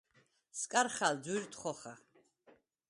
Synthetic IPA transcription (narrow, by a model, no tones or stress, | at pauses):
skʼaɾχald͡zuɾt̪ʼχɔχa